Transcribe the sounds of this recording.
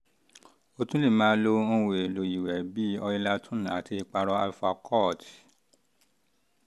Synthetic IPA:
o˧tũ˦li˦˨mãː˦lo˧õ˧we˨e˨lo˨ji˨wɛ˨bi˦ɔ˧i˧la˦tʰũ˦˨a˨ti˧k͡pa˧ɾɔ˧˦a˧lfa˧kʰɔ˦˨t

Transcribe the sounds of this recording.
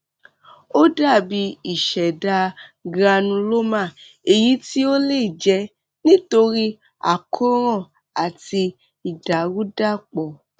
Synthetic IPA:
o˦da˦˨bi˧i˨ʃɛ˨da˧ɡɾa˧nũ˧lo˦mã˦˨ | e˨ji˨˦ti˦o˦le˦i˨d͡ʒɛ˧˦ | nĩ˦to˧ɾi˦ | a̰˦˨kʰo˦ɾ̃ɔ̃˦˨ | a˨ti˧ | i˨da˨wu˦da˦˨k͡pɔ˨

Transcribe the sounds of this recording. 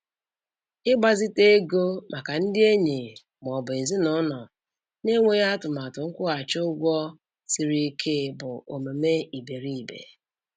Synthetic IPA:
ɪ˦ɡ͡ba˦zi˦te˦ɡo˦mʔa˨ka˨n̩˦dɪ˦e˦ɲe˨ | m˨ɔ˨bʊ˨e˨zi˦nʊ˨˦nɔ˨ | ne˦ŋʷe˦ɣa˦tʊ˨ma˨tʊ˨ŋ̩˦kʷʊ˦a˨t͡ʃo˦ʊ˦ɡʷɔ˦ | si˨ɾi˦i˦kʰe˦bʊ˨o˨me˨me˦i˨be˨ɾi˦i˨bḛ˨

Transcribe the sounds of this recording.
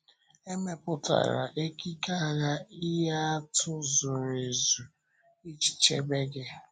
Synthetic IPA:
e˦me˦pʊ˦ta̰˨ɾa̰˨ʔe˦ki˦ka˦˨ɣa˦i˦ja˦a˦tʊ˦zʊ˨ɾe˨zu˨ | i˦t͡ʃi̥˨t͡ʃe˦be˦ɡɪ˦

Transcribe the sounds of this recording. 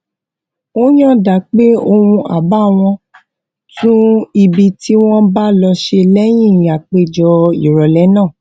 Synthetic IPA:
o˦j̃ã˦da˨˦k͡pe˦o˧wũ˧ʔa̰˨ba˦˨w̃ɔ̃˧ | tũ˦i˨bi˧tʰi˦w̃ɔ̃˦ba˦lɔ˧ʃe˧lɛ˦j̃ĩ˦˨a˨k͡pe˧˨d͡ʒɔ˧ḭ˨ɾɔ˨lɛ˨˦nãː˦˨

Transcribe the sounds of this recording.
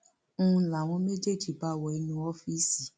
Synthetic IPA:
ũ˦ũ˧la˨w̃ɔ̃˧˦me˦d͡ʒe˦˨d͡ʒi˨ba˦˨wɔ˨i˧˦nũ˧ɔ˦fi˦si˨

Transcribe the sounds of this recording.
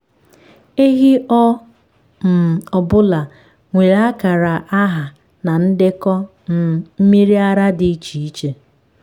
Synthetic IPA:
e˦ɦi˦ʔɔ˦ | m̩˨ɔ˨bʊ˦la˨ | ŋʷe˨ɾa˦ka˨ɾa˨ʔa˦ɦa˨ | na˨n̩˦dɪ˦kɔ˦ | n̩˨m̩˦mi˦ɾi˦a˦ɾa˦dɪ˨˦t͡ʃi˨i˦t͡ʃe˨

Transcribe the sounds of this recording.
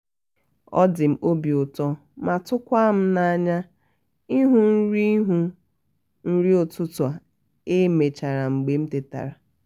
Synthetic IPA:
ɔ̰˦dɪ˨m̩˦o˦bi˨ʊ˨tɔ˦ | ma˨tʊ˦kʷa˦m̩˦na˨a˨ɲa˦ | i˦ɦu˦n̩˦ɾi˦ɦu˦ | n̩˦ɾi˦o˨tʊ˦tʊ˨a˨ | e˦me˨t͡ʃa˨ɾa˨ŋ͡m̩˨ɡ͡be˨m̩˦te˨ta̰˨ɾa˨

